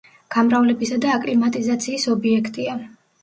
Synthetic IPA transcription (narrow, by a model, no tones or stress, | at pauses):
ɡ̥amɾavlɛbisad̪aːkʼlimat̪ʼizat̪sʰiːsɔbiɛkʰt̪ʼia